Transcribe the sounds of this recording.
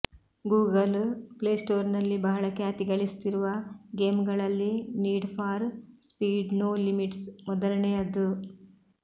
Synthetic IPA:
ɡuːɡɐlpɭeːsʈoːɾnɐlːibɐɦɐɭɐkjaɐt̪iɡɐɭist̪iɾuʋɐɡeːmɡɐɭɐlːiniːɖpʰaːɾspiːɖnoːlimiʈsmɔd̪ɐlɐnejɐd̪u

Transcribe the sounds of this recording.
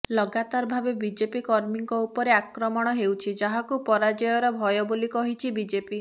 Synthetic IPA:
lɔɡat̪aɾɔbʱabebid͡ʒepikɔɾmiŋkɔupɔɾeakɾɔmɔɽ̃ɔɦewt͡ʃʰid͡ʒaɦakupɔɾad͡ʒɔjɔɾɔbʱɔjɔbolikɔɦit͡ʃʰibid͡ʒepi

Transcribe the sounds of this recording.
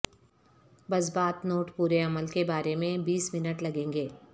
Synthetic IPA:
bɐzbaːt̪noːʈpuːɾeɐməlkebaːɾemẽbiːsmɪnəʈlɐɡẽːŋɡeː

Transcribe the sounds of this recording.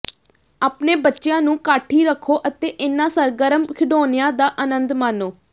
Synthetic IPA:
aːpneːbətːʃɪjãːnũːkaːʈʰːiːɾəkʰːoːʔət̪eːʔɪnːãːsəɾɡəɾəmkʰɪɖoːnɪjãːd̪aːʔənənd̪maːnoː

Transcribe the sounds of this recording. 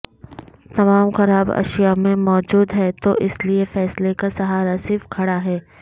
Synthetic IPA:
t̪ɐmaːmxɐɾaːbɐ̰ʃijamẽmɔːd͡ʒuːd̪ɦɛːt̪oʔɪsliefɛːslekasɐɦaːɾasɪɾfkʰɐɽaɦɛː

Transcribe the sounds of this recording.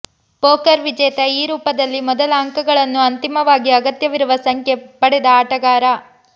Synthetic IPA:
poːkɐɾʋid͡ʒɛːt̪ɐiːɾuːpɐd̪ɐlːimɔd̪ɐlɐːŋkɐɡɐɭɐnːuɐnt̪imɐʋaːɡiɐɡɐt̪jɐʋiɾuʋɐsɐŋkʰjepɐɽɛd̪ɐaːʈɐɡaːɾɐ

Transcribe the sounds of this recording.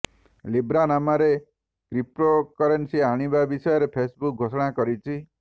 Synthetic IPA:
libɾanamaɾe | kɾip̚ɾokɔɾensiaɽ̃ibabisɔjɔɾepʰesbuk̚ɡʱosɔɽ̃akɔɾit͡ʃʰi

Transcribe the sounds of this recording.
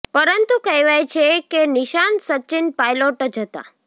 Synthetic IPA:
pəɾənt̪ukəjʋajt͡ʃʰekeniʃansəːt͡ʃɪnpajloʈd͡ʒʱət̪a̰

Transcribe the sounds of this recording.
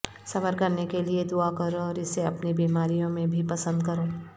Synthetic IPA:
sɐfəɾkɐɾnekelied̪uakɐɾoɔːɾɪseɐpnibiːmaːɾijõmẽbʱipɐsə̃nd̪̚kɐɾoː

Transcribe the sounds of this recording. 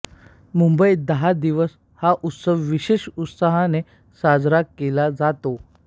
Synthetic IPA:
mumbəid̪əɦad̪iʋəs | haʔut̪səʋʋiɕeɕut̪saɦane | sad͡zɾakkːelad͡zat̪o

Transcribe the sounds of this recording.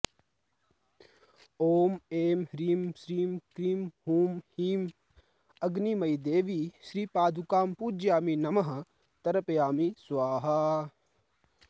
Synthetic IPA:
oːmeːmɾiːmʃɾiːmkɾiːmɦuːmhiːm | ɐɡnimɐjd̪eːʋiʃɾiːpaːd̪ʱukaːmpuːd͡ʒjaːminɐmɐɦɐ̆ | t̪ɐɾɐpjaːmisʋaːɦɐ

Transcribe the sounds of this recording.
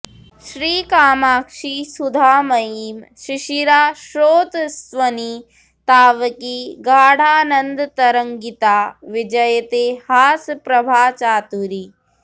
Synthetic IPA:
ʃɾiːkaːmaːkʂisud̪ʱaːmɐjiːmʃiʃiɾaːʃɾoːt̪sʋɐni | t̪aːʋɐkiɡaːɽ̤ʱaːnɐnd̪t̪ɐɾɐŋɡit̪aːʋid͡ʒɐjɐt̪eːhaːspɾɐbʱaːt͡ʃaːt̪uɾi

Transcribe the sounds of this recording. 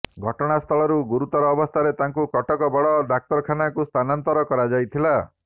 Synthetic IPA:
ɡʱɔʈɔɽ̃ast̪ʰɔɭɔɾuɡuɾut̪ɔɾɔːbɔst̪ʰaɾet̪aŋkukɔʈɔkɔbɔɽɔɖak̚t̪ɔɾɔkʰanakust̪ʰanant̪ɔɾɔkɔɾad͡ʒajt̪ʰila

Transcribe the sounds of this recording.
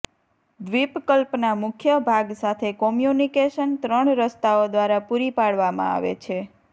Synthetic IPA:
d̪ʋipkəlpnamʊkʰjəbʱaɡsat̪ʰekɔmjunikeʃənt̪ɾəɳɾəst̪aod̪ʋaɾapuɾipaɽʋamã̰a̰ʋḛt͡ʃʰe

